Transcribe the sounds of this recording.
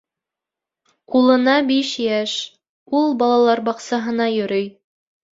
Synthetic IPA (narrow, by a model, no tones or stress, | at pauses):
qulˠɤ̆nɑbiʃjæʃ | ulˠbɑlˠɑlˠɑɾbɑqsɑɦɤ̆nɑjɵ̆ɾɵj